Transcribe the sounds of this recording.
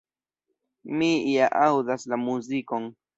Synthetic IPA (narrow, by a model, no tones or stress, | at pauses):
miijaʔawd̪aslamuzikoŋ